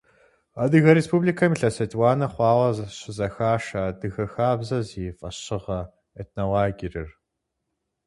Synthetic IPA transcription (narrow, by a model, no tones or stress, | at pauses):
ɐdɨɣɐɾespublikʰɐmiɬɐsɐtʰʼwaːnɐχʷɑːʁɐzɕɪzɐxaːʂɐdɨɣɐxaːbzɐziːfʼɐɕɪʁɐ | etʰnowaːɡirɨr